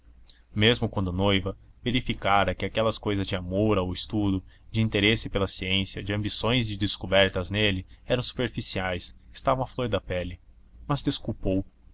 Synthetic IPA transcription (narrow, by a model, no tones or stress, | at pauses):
mezmʊkwɐ̃nd̪ʊnojvɐ | veɾifikaɾɐkɪakɛlɐskojzɐzd͡ʒɪamoɾawɪst̪ud̪ʊd͡ʒɪĩnt̪eɾesɪpelɐsiẽsiɐd͡ʒɪɐ̃mbisõj̃zd͡ʒɪd̪eskobɛɾt̪ɐznelɪɛɾɐ̃w̃su̥peɾfisiajsɪ̥st̪avɐ̃w̃ɐfloɾd̪ɐpɛlɪ | mɐzd̪eskupow